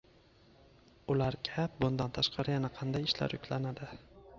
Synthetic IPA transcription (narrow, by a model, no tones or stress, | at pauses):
ʊlaɾkʲʰap̚bʊnd̪ant̪ʰaʃqɑɾɪjanaqʰɑnd̪ajɪʃla̰ɾjʊkʲlanad̪ɪ